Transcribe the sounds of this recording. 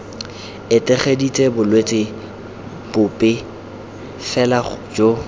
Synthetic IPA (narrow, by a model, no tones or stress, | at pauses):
ɪtʼɛχedit͡sʼɛbʊlwet͡sʼɪ | b̥ʊpʼɪ | fɛlad͡ʒo